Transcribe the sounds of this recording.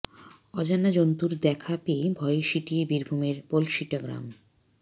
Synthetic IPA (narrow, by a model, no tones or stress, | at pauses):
ɔd͡ʑanad͡ʑont̪uɾd̪ɛkʰapebʱɔeʃiʈiebiɾbʱumeɾpolʃiʈːoɡɾa̰m